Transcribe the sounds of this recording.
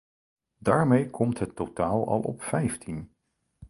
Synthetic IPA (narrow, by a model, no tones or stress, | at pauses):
daːɹmejkʰɔmtɦətːotaːlˠɑ̰lˠɔ̰pfɛjftʰin